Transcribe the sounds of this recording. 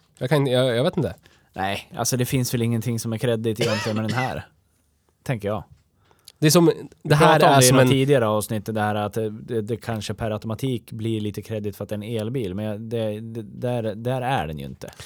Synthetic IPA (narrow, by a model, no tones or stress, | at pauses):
jɑkʰanjɑjɑɡveːt̪ɪnə | nʔɛɪʔa̰lsɔd̪ɛfɪnsvɛlɪŋːənt̪ʰɪŋːsɔmæɾkʰɾɛd̪ːɪt̪jɛmfœːɾmɛɖ̪ɛnɦæːɾ | t̪ʰɛŋkəɾjɑː | d̪ɛsɔmd̪ɛɦæːɾɪnt̪ʰiːd̪ɪɡaɾəɑːvsnɪt̪ːət̪d̪ɛhæːɾat̪d̪ɛd̪ɛkʰanʂəpʰæɾat̪ɔmat̪ʰiːkblɪɭiːt̪əkʰɾɛd̪ːɪɡt̪fœɾat̪d̪ɛɛneːlbiːlmɛnjɑd̪ɛd̪ɛd̪æɾd̪æːɾæ̰ɖɛnjɵ̰ɪ̰nt̪ʰə̰